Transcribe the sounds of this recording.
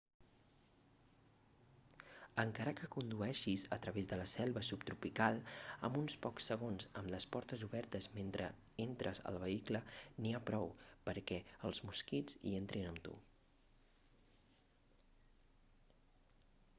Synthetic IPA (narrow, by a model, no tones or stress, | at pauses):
əŋkaɾəkəkund̪uɛʃizət̪ɾəβezðələsɛlˠβəsupt̪ɾupikalˠə̰munspɔksəɣ̞onzə̰mləspɔɾt̪əzuβɛɾt̪əzment̪ɾə̰ | ent̪ɾʔəzə̰lˠβəikləniapɾɔwpəɾkɛəlˠzmuskid͡zzḭent̪ɾinəmt̪ṵ